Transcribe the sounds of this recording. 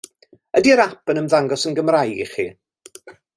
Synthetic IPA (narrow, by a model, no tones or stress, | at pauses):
ədiəɾapənəmðaŋɡɔsənɡəmrajɡiχḭ